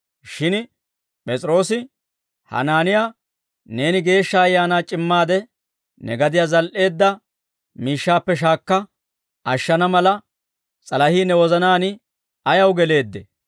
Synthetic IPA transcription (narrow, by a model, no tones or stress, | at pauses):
ʃɪn | pʼɛt͡sʼɾo̞ːsɪ | hɐ̰naːnɪjaː | ne̞ːnɪɡe̞ːʃːɐːjːaːnaːt͡ʃʼɪmːaːd̪ɛ | nɛ̰ɡɐd̪ɪjaːzɐlʔe̞ːd̪ːɐ | miːʃːaːpːɛʃ̬aːkːɐ | ʔɐʃːɐnɐmɐlɐ | t͡sʼɐlɐhiːnɛwɔzɐnaːnɪ | ɐjɐwɡɛle̞ːd̪ːɛ